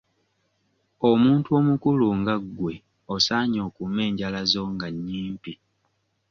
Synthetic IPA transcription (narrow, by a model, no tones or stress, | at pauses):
omuːntuo̞ːmukuluŋɡaɡːwe̞ | osaːɲo̞ːkumːe̞ːɲɟalazo̞ŋɡaɲːiːmpi